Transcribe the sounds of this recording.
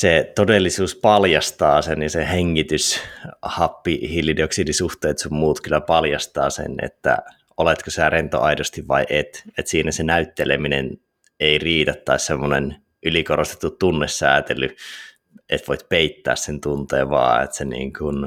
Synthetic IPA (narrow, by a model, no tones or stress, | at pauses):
set̪odelːisuːspɑljɑst̪ɑːsenjɑseheŋːit̪yshɑpːihilːidioksidisuht̪eːt̪summuːt̪kylːæpɑljɑst̪ɑ̰ːsḛnḛt̪ːæ̰ | olet̪kosit̪ærent̪o̰ʔɑidost̪iʋʋɑ̰iʔet̪et̪siːnæsenæyt̪ːeleminḛn | eiriːt̪æt̪tɑissemːonen | ʔylikorost̪e̥t̪ːut̪t̪unːesːæːt̪elːy | ʔet̪ʋoit̪peit̪ːæ̰ːssent̪unt̪ḛːʋʋɑ̰ːḛt̪senḭːŋkun